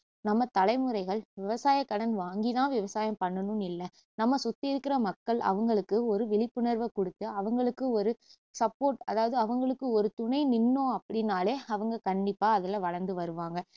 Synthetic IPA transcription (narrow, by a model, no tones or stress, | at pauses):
nɐmːɐt̪ɐlɐɪmɯɾɐɪɣɐɭʋɪʋɐsaːjɐkːɐɽɐnʋaːŋɡɪnãːʋɪʋɐsaːjɐ̃mpɐɳːɐnɯ̃mɪlːɐ | nɐmːɐsʊt̪ːɪɪɾɯkːɪɾɐmɐkːɐɭɐ̰ʋɐŋɡɐɭɯkːɯɔɾɯʋɪɭɪpːɯnɐɾʋɐkɔɽɯt̪ːɯɐʋɐŋɡɐɭɯkːɯɔɾɯ | sɐpːoːɾʈɐ̰ðaːʋɐðɯɐʋɐŋɡɐɭɯkːɯɔɾɯt̪ʊɳɐɪnɪnːõːɐpːɐɽɪnːaːleːɐʋɐŋɡɐkɐɳɖɪpːaːɐðɐlɐʋɐɻɐɾnd̪ɯʋɐɾɯʋaːŋɡɐ